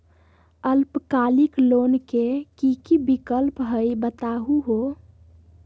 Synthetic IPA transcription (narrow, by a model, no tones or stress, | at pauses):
əlpkaliklonkekikibikəlpɦəjbət̪aɦuɦo